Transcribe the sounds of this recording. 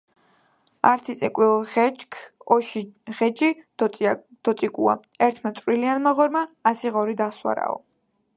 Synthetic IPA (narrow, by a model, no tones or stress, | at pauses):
aɾt̪ʰit̪sʼikʼwilˠɛt͡ʃkʰɔʃʁɛd͡ʒʼi̥ | d̪̥ɔt̪sʼikʼua̰ | ɛɾt̪ʰmat̪sʼwilianmaʁɔɾmaːsiʁɔɾid̪aswa̰ɾa̰ɔ̰